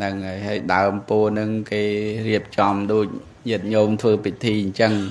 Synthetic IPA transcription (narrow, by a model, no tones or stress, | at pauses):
nɨŋəːjɦaəjɗaəmpoənɨŋkeːriəp̚t͡ɕɑmɗoːc̚ | ɲɨət̪̚ɲoːmt̪ʰʋəːpit̪ʰiːɲt͡ɕəŋ